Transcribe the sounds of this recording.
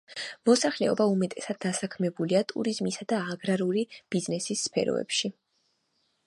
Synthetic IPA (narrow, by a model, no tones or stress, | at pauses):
mɔsaχlɛɔbaumɛt̪ʼɛsad̪̚ːasakʰmɛbuliat̪ʼṵɾizmisad̪aːɡɾaɾulib̥iznɛsisːpʰɛ̰ɾɔ̰ɛ̰pʃi